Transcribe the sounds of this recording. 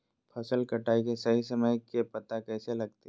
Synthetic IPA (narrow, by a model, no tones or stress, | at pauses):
pʰɐsəlkɐʈaːikesɐɦisɐməjkepɐt̪akɛːselɐɡ̚t̪i